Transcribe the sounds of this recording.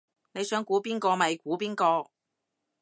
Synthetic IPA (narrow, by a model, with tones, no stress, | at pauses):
ne˨˧jsœː˨˥ŋkʷuː˨˥piː˥nkɔː˧mɐ˨jkuː˨˥piː˥nkɔː˧